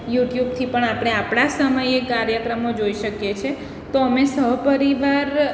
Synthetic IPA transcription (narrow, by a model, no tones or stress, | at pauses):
juʈjub̚t̪ʰipəɳapɽ̃eapɽ̃asəməjekaɾjəkɾəmod͡ʒoiʃəkjet͡ʃʰe | t̪oəmesəɦpəɾiʋaɾ